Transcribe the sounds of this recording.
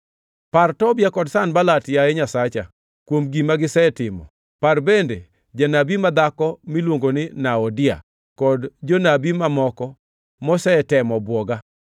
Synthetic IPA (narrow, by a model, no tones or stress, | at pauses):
partɔbjakɔdsanbalatjaɛɲasat͡ʃa | kwomɡimaɡɪsɛtɪmɔ̰ | parbende | d͡ʒanabimad̪akɔmilwoŋɡonɪnaɔdɪa̰ | kɔdd͡ʒonabimamɔkɔ | mɔsɛtɛmɔbwɔɡa